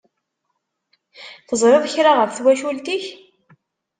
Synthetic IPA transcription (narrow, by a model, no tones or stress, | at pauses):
θəzˤɾeðˤçɾaʁəfθwæʃult̪iç